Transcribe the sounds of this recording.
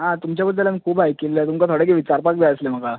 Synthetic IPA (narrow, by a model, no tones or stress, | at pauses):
ɦãt̪umt͡ɕjabəd̪ʱːəlamikʰuːpajkelilat̪umkat̪ʰoɽek̬iʋit͡ɕaɾpak̚d͡z̪aəslem̤əka